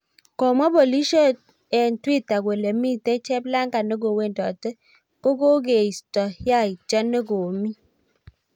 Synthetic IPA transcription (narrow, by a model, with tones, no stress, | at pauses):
kɔ˨ma˦bo˨li˦ʃo˦ | ɛ˨ntwi˦ta˨ɡwe˨le˨mi˦te˦t͡ʃɛ˦bla˦ŋɡa˨nɔ˦ɡo˨we˦˨ndɔ˨tɛ˦ | ko˦ɡo˦ɡe˨i˨stɔ˨hja˦i˨d͡ʒa˦ne˦ɡo˨mi˦